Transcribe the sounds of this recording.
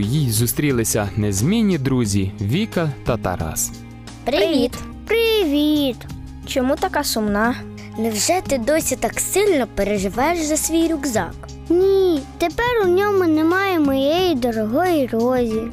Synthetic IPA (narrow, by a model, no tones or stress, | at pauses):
jizust̪ɾʲilˠɪsʲɐnɛzʲmʲinʲːid̪ɾuzʲiʋʲikɐt̪ɐt̪ɐ̰ɾɑ̰s | pɾɪʋʲit̪ | pɾɪʋʲit̪ | t͡ʃɔmut̪ɐkɑsʊmnɑ | nɛwʒɛt̪ɪd̪ɔsʲit̪ɑksɪlʲnɔpeɾeʒɪʋɛjʃzɐsʲʋʲijɾʲuɡzɑ̰k | nʲit̪epɛɾʊnʲɔmʊnɛmɑjɛmɔjɛjid̪ɔɾɔɦɔjirɔzʲi